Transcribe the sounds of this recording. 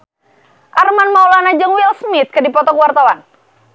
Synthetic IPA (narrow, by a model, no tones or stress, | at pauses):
ʔarmanmaulanad͡ʒəŋwilsmɪt̪̚kədipɔt̪ɔkəwart̪awan